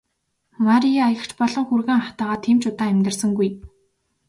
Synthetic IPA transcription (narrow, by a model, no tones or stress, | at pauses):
maɾiaajə̆kt͡ɕpɔɮɞ̆ŋxurɣeːŋat̪aːʁaːt̪ʰiːmt͡ɕʊt̪aːemʲt̪ɘ̆rsə̆ŋɡuj